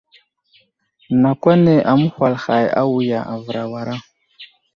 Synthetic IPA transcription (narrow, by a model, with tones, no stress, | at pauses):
na˨kwa˦ne˨ʔa˨mu˦hwa˨lxa˨ja̰˦wu˨ja˨ʔa˨və˨ɾa˨wa˨ɾa˦